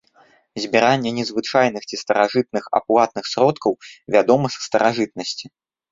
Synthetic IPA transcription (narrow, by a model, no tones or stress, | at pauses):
zʲbʲɛɾanʲːɛnʲɛzvɨt͡ʂajn̪ɨxt͡sʲist̪ɐɾaʐɨt̪̚nɨxa̰plˠat̪nɨxsɾɔt̪kɐwvʲad̪ɔmɨsst̪ɐɾaʐɨt̪̚nɐsʲt͡sʲi